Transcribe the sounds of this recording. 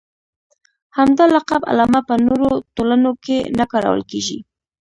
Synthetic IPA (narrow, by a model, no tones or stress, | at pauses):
hamd̪alaqaba̰lɑmapənoɾot̪olanokenakɑɾa̰wə̰lkeʒḭ